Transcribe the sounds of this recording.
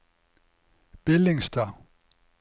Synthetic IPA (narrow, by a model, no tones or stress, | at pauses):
b̥eleŋsd̥ɐ